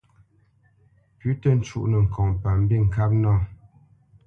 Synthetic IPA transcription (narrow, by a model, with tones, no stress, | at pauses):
pʉ˨˦tə˦n̩˦t͡ʃu˦ʔnə˨ŋ̩˨kʰɔ˨ŋpa˨m̩˦bi˦ŋ̩˨ka˦p̚nɔ˦˨